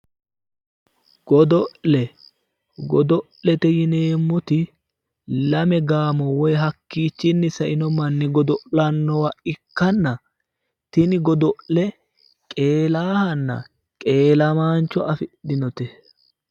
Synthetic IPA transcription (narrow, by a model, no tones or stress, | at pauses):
ɡ̥ɔd̪ɔʔlɛ | ɡɔd̪ɔʔlɛt̪ɛjɪneːmːʊt̪ɪ | lɐmɛɡaːmɔwɔjɦɐkːiːt͡ʃːɪnːɪsɐʔɪnɔmɐnːɪɡɔd̪ɔʔlɐnːɔwɐɪkːɐnːɐ | t̪ɪnɪɡɔd̪ɔʔlɛ | kʼe̞ːlaːhɐnːɐ̰ | kʼe̞ːlɐmaːnt͡ʃːɔʔɐfɪɗɪnɔt̪ɛ